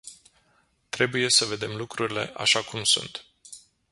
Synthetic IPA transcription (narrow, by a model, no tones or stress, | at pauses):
t̪ɾe̞buje̞səve̞d̪e̞mlukɾuɾile̞ʔa̰ʃakumsṵnt̪